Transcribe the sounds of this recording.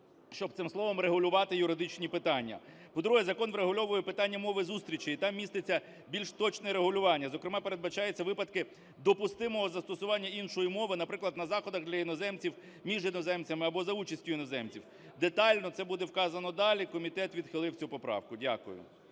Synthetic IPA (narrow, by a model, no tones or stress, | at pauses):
ʃt͡ʃɔb̚t̪ɪmsˠɔʋɔmreɦʊlʲʊʋɑt̪ɪjʊɾɪd̪ɪt͡ʃnʲipɪt̪ɑnʲːɐ̰ | pɔd̪ɾuɦɛzɐkɔnʋɾeɦʊlʲɔʋʊjɛpɪt̪ɑnʲːɐmɔʋɪzust̪ʲɾʲit͡ʃɪit̪ɑmːʲist̪ɪt͡sʲːɐ | bʲilʲʃt̪ɔt͡ʃnɛɾeɦʊlʲʊʋɑnʲːɐzɔkɾemɑpeɾed̪bɐt͡ʃɑjet͡sʲːɐʋɪpɐd̪kɪ | d̪ɔpʊst̪ɪmɔɦɔzɐst̪ɔsʊʋɑnʲːɐinʃɔjimɔʋɪnɐpɾɪklˠɐd̪nɐzɑxɔd̪ɐɣd̪lʲɐjinɔzɛmt͡sʲiw | mʲiʒjinɔzɛmt͡sʲɐmɪɐbɔzɐut͡ʃɐsʲtʲʊjinɔzɛmt͡sʲiw | d̪et̪ɑlʲnɔt̪sɛbud̪ɛwkɑzɐnɔd̪ɑlʲikɔmʲit̪ɛt̪ʋʲid̪xɪlˠɪwt͡sʲupɔpɾɑ̰wkʊdʲa̰kʊ̰jʊ̰